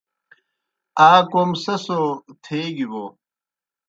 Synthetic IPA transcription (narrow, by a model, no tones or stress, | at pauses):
aːkomsɐsot̪ʰeːɡibo